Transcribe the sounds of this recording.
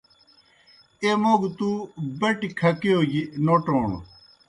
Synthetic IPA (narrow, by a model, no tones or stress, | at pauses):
emoːɡt̪ubɐʈikʰɐkeoːjinoːʈoːɳ̰